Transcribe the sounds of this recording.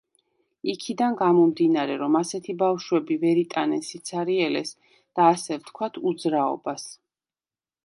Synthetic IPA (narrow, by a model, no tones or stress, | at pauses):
ikʰid̪anɡamɔmd̪inaɾɛɾɔmasɛt̪ʰibafʃwɛbivɛɾit̪ʼanɛnsit̪sʰaɾiɛlɛ̰s | d̪̥aːsɛvt̪ʰkʰwat̪ʰud̪zɾaɔ̰bas